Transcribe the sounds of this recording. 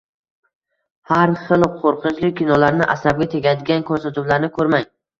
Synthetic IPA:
haɾχɨlˠqʰoɾqʰɨnt͡ʃlɪk̚ʲʰːinɒlaɾnɪʔasab̚ɡʲat̪ʰe̞ɡʲad̪ɪɡʲankʰɵɾsat̪ʰʊblaɾnɪkʰɵɾmaŋ

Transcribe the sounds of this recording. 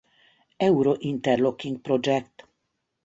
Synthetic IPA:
ɛwɾoʔint̪ɛɾlokːiŋɡ̚pɾɔd͡ʒɛkt̪

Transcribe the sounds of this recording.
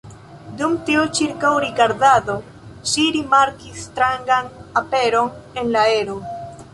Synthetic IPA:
dumtiut͡ʃiɾkawɾiɡaɾdado̞ | ʃiɾimaɾkistɾaŋɡanape̞ɾo̞ne̞nlae̞ɾo̞

